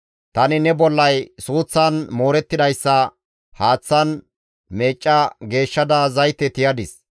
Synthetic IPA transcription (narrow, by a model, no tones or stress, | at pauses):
t̪ɐnɪnɛbɔlːɐjsuːt͡sːɐnmoːɾɛt̪ːɪd̪ɐjsːɐ | haːt͡sːɐn | me̞ːt͡ʃʼːɐɡe̞ːʃːɐd̪ɐzɐjt̪ːɛt̪ɪjɐd̪ɪs